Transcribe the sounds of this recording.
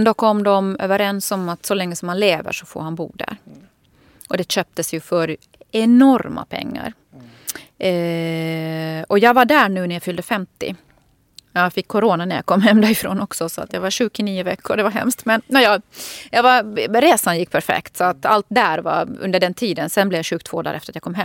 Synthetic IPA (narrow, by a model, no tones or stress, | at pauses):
nd̪ɔkʰɔmːd̪ɔmø̰ːvəɾɛnsɔmat̪sɔlɛŋːəsɔmhanleːvə̰ʂɔfo̰ːɾhanbṵːd̪æ̰ɾ | ʔɔd̪ɛɕøːp̚t̪əsjɵfœɾ | ɛnɔɾma̰pʰɛ̰ŋːa̰ɾ | ɔjɑːɡvaɖæɳʉ̟ːnæjɑfʏld̪əfɛmt̪ɪ̰ | jɑfɪkʰːɔɾoːnanæɾja̰kʰɔmːɦɛmːd̪aɾɪfɾo̰ːnɔksɔsɔa̰t̪jɑːɡvaɕʉ̟ːɡɪniːʊvɛkʰːʊɾɖɛvaɦɛ̰mst̪mɛnnɛjɑjɑːvaɾɾeːsanjɪkːpʰæɾfɛ̰kt̪sɔat̪alt̪d̪æɾva̰ɵ̰nd̪əɖɛnt̪ʰiːd̪ənsɛnblɛvjaɕʉ̟ːɡt̪ʰoːd̪æ̰ːɾɛ̰ft̪ɾat̪jaːkɔmːɦɛ